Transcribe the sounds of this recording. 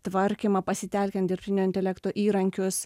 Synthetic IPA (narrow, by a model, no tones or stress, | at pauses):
t̪ʋɐɾʲkʲimɐpɐsʲɪt̪ʲɛˑlʲkʲɛnt̪d̪ʲɪɾʲpʲt̪ʲɪnʲoːɪnʲt̪ʲɛlʲɛkt̪oːʔiːɾɐŋʲkʲʊs